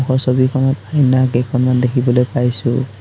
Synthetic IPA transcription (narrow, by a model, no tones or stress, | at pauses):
xɔsɔbikʰɔnɔtajnakekʰɔnmand̪ekʰibɔlojpajsu